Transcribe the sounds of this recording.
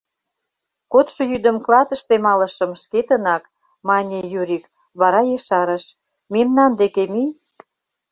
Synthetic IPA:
kot̪ʃojyd̪ə̆mklɑt̪ə̆ʃt̪emɑlə̆ʃə̆mʃket̪ənɑk | mɑnʲejuɾʲik | βɑɾɑjeʃɑɾə̆ʃ | memnɑnd̪ekemij

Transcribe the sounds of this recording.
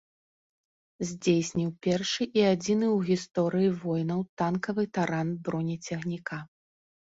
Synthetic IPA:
zʲd͡zʲejsʲnʲiwpʲɛrʂɨʔiad͡zʲinɨwɣʲist̪ɔɾɨjivɔjnɐwt̪ankɐvɨt̪aɾanbɾɔnʲit͡sʲɛɣnʲika

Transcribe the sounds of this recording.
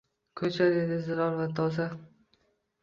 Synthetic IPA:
kʰɵt͡ʃʰad̪ed̪ɪzɪɾɒɾvat̪ʰɒza

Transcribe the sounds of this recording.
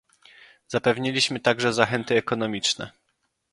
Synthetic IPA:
z̥apɛvɲilʲiɕmɘt̪aɡʐɛzaxɛnt̪ɘɛkɔnɔmʲit͡ʂnɛ̰

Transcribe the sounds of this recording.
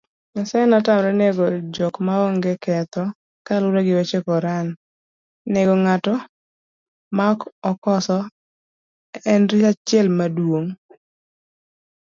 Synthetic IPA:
ɲasanɔtamɾɛneɡɔd͡ʒɔkmaɔŋɡekɛt̪ɔ | kalʊɾɛɡɪwet͡ʃekɔɾanː | eɡɔŋatɔ | makɔkɔsɔ | ɛnɾiat͡ʃɪɛlmadwoŋ

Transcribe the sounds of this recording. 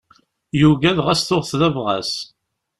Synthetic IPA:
juʝæðʁæsθʊʁθðævʁæ̰s

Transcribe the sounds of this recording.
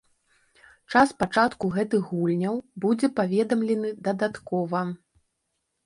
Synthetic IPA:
t͡ʂaspat͡ʂat̪kuɣɛt̪ɨɣɣulʲnʲɐwbud͡zʲɛpavʲɛd̪ɐmlʲɛnɨd̪ɐd̪at̪kɔvɐ

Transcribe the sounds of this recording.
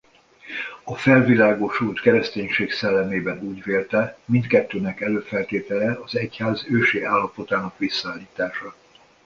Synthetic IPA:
ɒfɛlvilaːɡo̞ʃult̪kɛɾɛst̪eːɲʃeːksɛlːɛmeːbɛnuːɟveːlt̪ɛmint̪kɛt̪ːøːnɛkɛløːfɛlt̪eːt̪ɛlɛɒzɛchaːzøːʃeːaːlːɒpo̞t̪aːnɒkʋisːɒaːlːiːt̪aːʃɒ

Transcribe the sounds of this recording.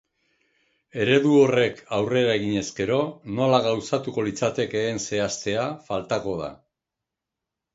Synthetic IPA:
e̞ɾe̞ðuo̞re̞kawre̞ɾaeɣiɲe̞zɡe̞ɾo̞no̞laɣ̞awsat̪uko̞lit͡sat̪e̞ke̞ɣense̞ast̪e̞afalt̪ako̞ð̞a̰

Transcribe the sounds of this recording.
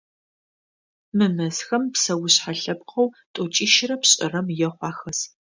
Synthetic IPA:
mɨmɐzxɐmpsɐwʊɕħaɬɐpqʰɐw | tʼot͡ʃʼiːʃɪrɐpɕʼɪ̰rɐmjɛχʷɑːxɐs

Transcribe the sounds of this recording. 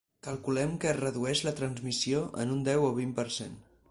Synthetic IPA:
kəlˠkulɛmkəːrəðuɛʃlət̪ɾənzmisioʔə̰nund̪ɛwoβimpəɾsen

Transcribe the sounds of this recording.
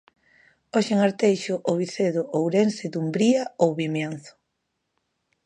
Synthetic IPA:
oʃeŋaɾt̪ejʃʊʔoβiθeðʊʔowɾensɪd̪umbɾiaowβimjanθʊ̥

